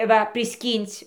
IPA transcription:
ˈʋɐ pʲrʲɪˈsʲkʲiːnʲt͡sʲ

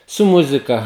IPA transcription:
sʊ ˈmʊzʲɪkɐ

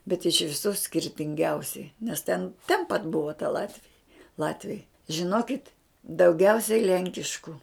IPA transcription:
bʲɛt ɪʃ ʋʲɪˈsuː sʲkʲɪrʲtʲɪŋʲˈɡʲɛʊsʲɛɪ nʲɛs tʲɛn tʲɛn pɐt ˈbʊʋɐ tɐ ˈlˠɑːtʲʋʲɪjɛ ˈlˠɑːtʲʋʲɛɪ ʒʲɪˈnoːkʲɪt dɐʊˈɡʲɛʊsʲɛɪ ˈlʲɛŋʲkʲɪʃkʊ

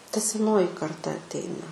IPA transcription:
tɐ sʲɛˈnoːjɪ kɐrˈtɐ ɐtʲˈɛɪnɐ

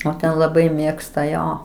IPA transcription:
oː ˈtʲɛn lˠɐˈbɐɪ ˈmʲeːkstɐ ˈjoː

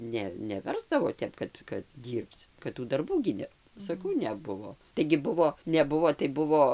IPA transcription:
ˈnʲɛ nʲɛˈʋʲɛrzdɐʋoː ˈtʲɛp kɐt kɐt ˈdʲiːrpt͡s kɐt ˈtuː dɐrˈbuː ɡʲɪ ˈnʲɛ sɐˈkɐʊ nʲɛˈbʊʋoː tɐɪɡʲɪ ˈbʊʋoː nʲɛˈbʊʋoː tɐɪ ˈbʊʋoː

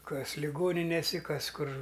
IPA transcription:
ˈkɐs lʲɪˈɡoːnʲɪnʲeːsʲɪ ˈkɐs ˈkʊr

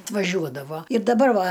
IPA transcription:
ɐtʋɐˈʒʲuɔdɐʋoː ɪr dɐˈbɐr ˈʋɐ

